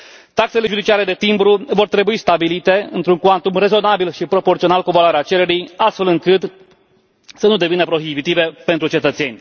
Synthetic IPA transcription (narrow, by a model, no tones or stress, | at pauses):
t̪akse̞le̞ʒud̪it͡ʃiaɾe̞d̪e̞t̪imbɾuvo̞rt̪ɾe̞buist̪abilit̪e̞ɨ̰nt̪ɾuŋkwant̪umre̞zo̞nabilʃipɾo̞po̞rt̪sionalkuvaloaɾeat͡ʃe̞ɾe̞ɾijast̪fe̞lɨŋkɨt̪ | sənud̪e̞vinəpɾo̞ɦibit̪ive̞pe̞nt̪ɾut͡ʃe̞t̪ət̪se̞nʲ